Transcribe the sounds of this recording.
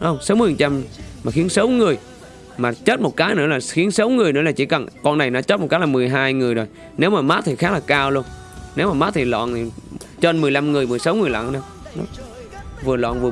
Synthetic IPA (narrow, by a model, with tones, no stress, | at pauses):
ŋ͡msə˨˦wmɨ˨˩ə˩ft͡ɕa˧mmaː˨˩xi˨˦ənsə˨˦wŋɨ˨˩əj | maː˨˩t͡ɕə˦˥t̚mo˨˩t̚kaː˨˦jnɨ̰˧˥əlaː˨˩xi˨˦ənsə˨˦wŋɨ˨˩əjnɨ̰˧˥˦laː˨˩t͡ɕḭ˧˩˦kə˨˩nkɔ˧nːa˨˩jnɔ̰˨˦t͡ɕəː˦˥t̚m˨˩tkaː˨˦jlaː˨˩mɨ˨˩əjɦaː˧jŋɨ˨˩əjzo˨˩j | ne˨˦wmaː˨˩maː˦˥t̚t̪ʰi˨˩xaː˦˥k̚laː˨˩kaː˧wlu˧ən | ne˨˦wmaː˨˩maː˦˥t̚t̪ʰi˨˩lɔ̰ː˧˨nʰi˨˩ | t͡ɕə˧nmɨ˨˩əjla˧mŋɨ˨˩əjmɨ˨˩əjsa˨˦wŋɨ˨˩əjlwa̰ː˧˨˧na˧˩ | nɔ̰˨˦ | vɨ˨˩əlwa̰˧˨nvɨ˨˩ə